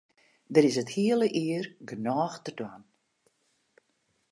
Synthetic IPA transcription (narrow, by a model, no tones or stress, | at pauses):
dɪɾɪsəthiəlˠəʔɪərɡənɔːxtərdwan